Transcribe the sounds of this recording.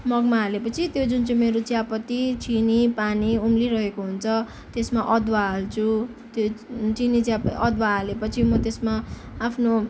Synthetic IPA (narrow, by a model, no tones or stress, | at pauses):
mʌɡmaɦalepʌt͡sʰit̪jod͡zunt͡sʌ̃meɾot͡sjapʌt̪it͡sʰinipaniumliɾʌɦekoɦunt͡sʰʌ | t̪esmaʔʌd̪waɦalt͡sʰu | t̪jot͡sinit͡sjaʌd̪waɦalepʌt͡sʰimʌt̪esmaː | pʰno